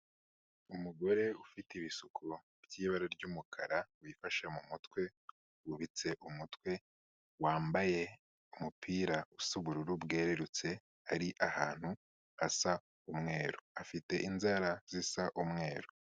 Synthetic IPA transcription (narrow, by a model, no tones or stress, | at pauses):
umuɡo̞ɾe̞ufitiβisukʰo | b̥jiːβaɾaɾɟumukʰaɾawifaʃamumutkwe̞ | wuβit͡se̞ʔumutwe̞ | waːmbaje̞ | umupʰiːɾausuβuɾuɾubɡe̞ːɾe̞ɾut͡se | aɾiʔahaːn̥hu | asa | umŋe̞ːɾoafite̞ʔinzaɾaz̥isaʔumŋe̞ːɾo